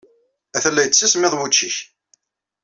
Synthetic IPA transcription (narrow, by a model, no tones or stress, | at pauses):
æθəlːæjət͡sːismɪðˤwut͡ʃːiç